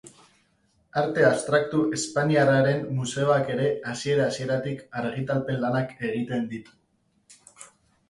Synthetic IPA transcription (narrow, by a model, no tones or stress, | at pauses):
aɾt̪e̞ast̪ɾak̚t̪uʔe̞spaniaraɾe̞mːuse̞oake̞ɾe̞asie̞ɾaːsie̞ɾat̪ikaɾɣ̞it̪alpe̞lanake̞ɣ̞it̪e̞nd̪it̪u̥